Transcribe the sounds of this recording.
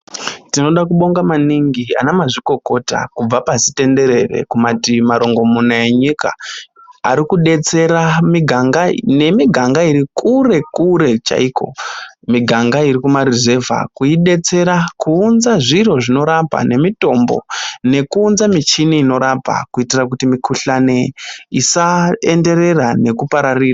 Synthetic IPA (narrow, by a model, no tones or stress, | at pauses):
tino̞ɗakuɓo̞ŋɡamaniŋɡia̰namaʐiko̞ko̞ta̰kub͡vapasi̥te̞nde̞ɾe̞re̞̰kumatimaɾo̞ŋɡo̞munaeɲika̰ | a̰ɾikuɗe̞t͡se̞ɾamiɡʱaŋɡane̞miɡʱaŋɡaiɾikure̞kuɾe̞t͡ʃa̰ikʰo̞̰miɡʱaŋɡaiɾikumaɾize̞va̰kuiɗe̞t͡se̞ɾakuːnzaʐiro̞ʐino̞ɾapa̰ne̞mito̞mbo̞̰ne̞kuːnzamit͡ʃiniːno̞ɾapa̰kuitirakutimikʰuɬaneisaende̞ɾe̞rane̞kupaɾariːra